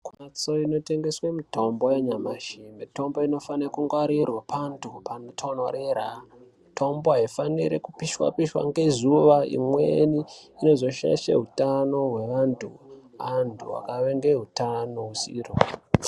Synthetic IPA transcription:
kuat͡so̞ino̞te̞ŋɡe̞swemito̞mbo̞jaɲamaʃimeto̞mbo̞ino̞fanekuŋɡwaɾirwapʰantʰupantʰonwa̰ɾeɾa | tʰo̞mboɦaifaniɾḛkupiʃwa̰piʃwa̰ŋɡe̞zuʋaḭmweniino̞zo̞ʃa̰ʃḛɦutano̞ɦwe̞ʋantʰṵantʰuwa̰kaʋeŋɡeɦutano̞ɦusḭro

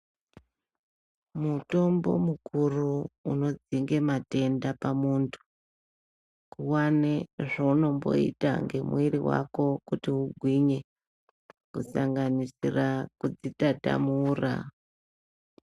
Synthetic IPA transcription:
muto̞mbo̞̰mukuruːno̞d͡ziŋɡe̞mate̞ndapamuntʰu̥ | kuwaneʐauno̞mbo̞̰ḭta̰ŋɡe̞mwiɾiwa̰ko̞kutiuɡʱwiɲe̞ | kusaŋɡanisirakud͡zitada̰muːra̰

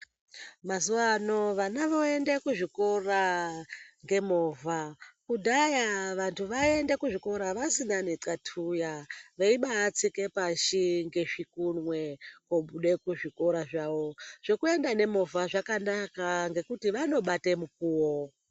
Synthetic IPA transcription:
mazuʋano̞ʋanaʋo̞e̞ndekuʐiko̞ra | ŋɡe̞mo̞vakudʱajaʋantʰuʋae̞ndekuʐiko̞ɾaʋasinane̞ǀatʰujaʋeiɓaːt͡sike̞paʃiŋɡe̞ʐikunwe̞koɓuɗe̞kuʐiko̞ɾaʐaʋo̞ʐ̥ekue̞ndane̞mo̞vaʐakanakaŋɡe̞kutiʋano̞ɓate̞muk̚uːwo

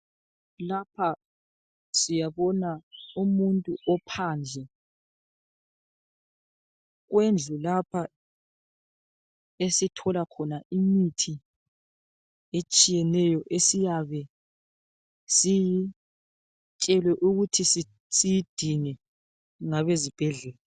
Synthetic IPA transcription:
lapʰa | sijaβɔnaumuntʼuʔɔpʰaːnd͡ɮʱɛ | ɣwend͡ɮʱulapʰa | esitʰɔlakʰɔnaʔimitʰi | et͡ʃʼijɛnɛjɔʔesijaβɛ | si | t͡ʃʼɛlwɛʔuɣutʰisi | sijid̥ʱinɛ | ŋaβezib̥ʱɛɮɛːla

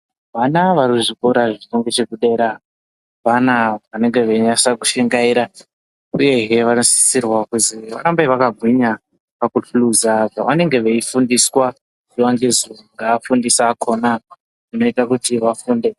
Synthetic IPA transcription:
ʋanaʋaɾuʐikoɾaʐinoŋɡet͡ʃe̞kuɗe̞ːɾa | panaʋane̞ŋɡe̞ʋeiɲasakuʃeŋɡaiɾa | uje̞ɦeʋanosi̥i̥sirwakuziʋaɾambaʋakaɡʱwiɲa | pakuɬuluzakaʋane̞ŋɡe̞ʋeifundiswa | ʐiwaŋɡezoŋɡaːfundisaːkʰo̞na | ʐino̞itak̬utiʋafuːnde̞

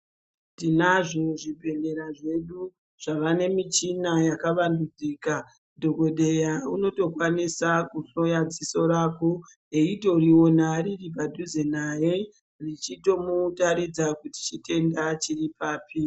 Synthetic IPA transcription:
ndinaʐo̞ʐibʱe̞nde̞ɾaʐe̞ɗu | ʐ̥aʋane̞mit͡ʃinajakaʋandud͡ziːka | dʱo̞ko̞ɗe̞jauno̞to̞kwanisakuɬojad͡ziso̞ɾaːko | eito̞riwo̞nariripadʱuzenaje̞ | rit͡ʃito̞mutaɾid͡zakuti̥t͡ʃite̞ndat͡ʃiripaːpi

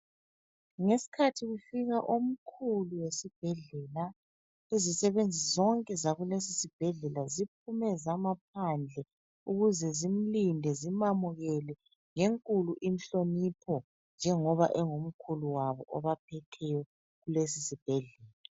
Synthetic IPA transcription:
ŋesi̥kʰatʰiɣufiɣaʔom̩kʰuluwesib̥ʱɛɮɛːla | ezisɛβend͡zʱizɔŋkʼɛzaɣulesisib̥ʱɛɮɛlazip̚ʰumɛzamap̚ʰand͡ɮʱɛ | uɣuzɛzim̩lindʱɛzimamuɣɛlɛ | ŋeŋkʼuluʔinɬonipʰɔ | nd͡ʒʱɛŋɔβa̰ʔɛŋom̩kʰuluwaβɔ̰ʔɔβapʰɛtʰɛjɔ | ɣulesisib̥ʱɛɮɛːla

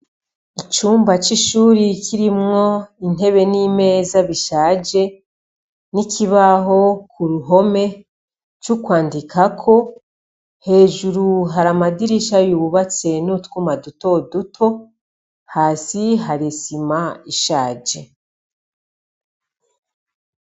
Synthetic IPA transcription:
it͡ʃuːmbat͡ʃiʃuːɾikʰiɾimŋo̞in̥e̞βe̞nime̞zaβiʃaːd͡ʒe̞ | nikʰiβaɦo̞kʰuɾuɦo̞me̞ | t͡ʃukwaːndikʰakʰo̞ | he̞ːʒuɾuɦaɾamadiɾiʃajuβuβat͡se̞nutkumaduto̞dutʰo̞ | haːsiɦaɾisimaiʃaːd͡ʒe̞

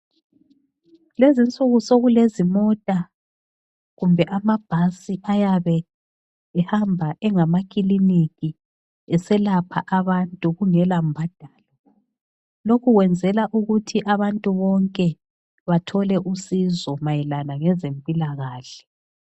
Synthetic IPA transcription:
lezint͡sʼuɣusoɣulezimɔtʼa | ɣumbʱɛʔamab̥ʱasiʔajaβɛ | ɛhambʱaʔɛŋamakʼilinikʼi | ɛsɛlapʰa̰ʔaβantʼuɣuŋɛlambʱad̥ʱaːlɔ | lokʰuɣwɛnd͡zʱɛlaʔuɣutʰiʔaβantʼuβɔŋkʼɛ | βatʰɔlɛʔusizɔmajɛlanaŋɛzempʼilaɣaːɬɛ̥

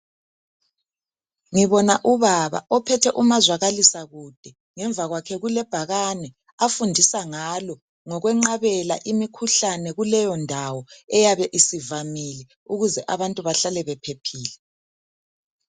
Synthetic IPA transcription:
ŋiβɔnaʔuβaβa̰ɔpʰɛtʰɛʔumazwaɣalisaɣud̥ʱɛ | ŋɛɱvʱaɣwakʰɛɣulɛb̥ʱaɣanɛ | afundʱisaŋalɔ | ŋɔɣwɛŋ͡ǃaβɛla̰ʔimikʰuɬanɛɣulɛjɔndʱawɔɛjaβɛʔisivamilɛ | uɣuzɛʔaβantʼuβaɬalɛβɛpʰepʰiːlɛ

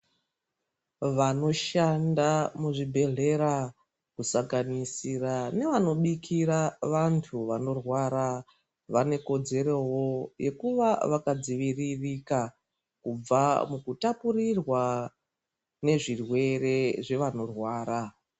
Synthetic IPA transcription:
ʋano̞ʃandamuʐibʱe̞ɮe̞ɾa | kusaŋɡanisirane̞ʋano̞ɓikʰiɾaʋantʰuʋano̞rwaɾa | ʋane̞ko̞d͡ze̞ɾowo̞je̞kuʋaʋakad͡ziʋiririka | kub͡vamukutapurirwa | ne̞ʐirwe̞re̞ʐe̞ʋano̞rwaːɾa

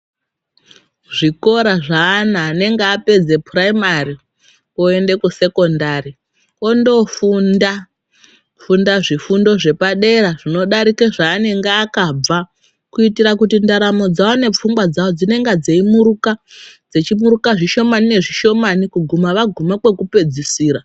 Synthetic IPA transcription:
ʐiko̞ɾaʐaːnaːne̞ŋɡeape̞d͡ze̞praimari | oe̞nde̞kuse̞ko̞ndari | o̞ndo̞funda | fundaʐifundo̞ʐe̞paɗe̞ɾaʐino̞ɗaɾikeʐaːne̞ŋɡeakab͡va | kuitiɾakutindaɾamo̞d͡zawone̞p͡fuŋɡwad͡zawod͡zine̞ŋɡad͡ze̞imuɾukad͡ze̞t͡ʃimuɾukaʐiʃo̞manine̞ʐiʃo̞manikuɡʱumaʋaɡʱumakwe̞kupe̞d͡zisiːɾa

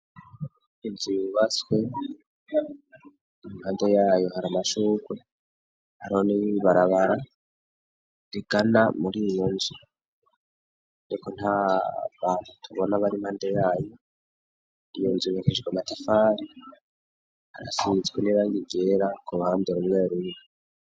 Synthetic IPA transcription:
inziβat͡swe̞ | nimhaːndejaːjo̞haɾamaʃuːkwe | haɾioniβaɾaβaɾa | ɾiɡanamuɾijonzi | ɾiko̞n̥haβaːnutʰuβonaβaɾimhaːndejaːjo̞ | ijonziβekeʒɡwamatafaɾi | ha̰ɾa̰fizɡweniβaŋɡiɡe̞ɾakuβaːmbdeɾumŋeːɾuɲi

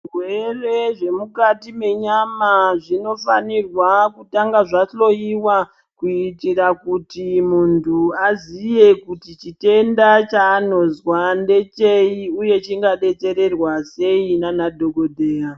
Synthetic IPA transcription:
rwere̞ʐe̞mukatime̞ɲamaʐino̞fa̰nirwakutaŋɡaʐaɬo̞jiwa | kuitirakutimuntʰuazije̞kutit͡ʃite̞ndat͡ʃaːno̞zwande̞t͡ʃeiuje̞t͡ʃiŋɡaɗe̞t͡ʃe̞ɾe̞rwase̞inanadʱo̞ɡʱodʱeːja

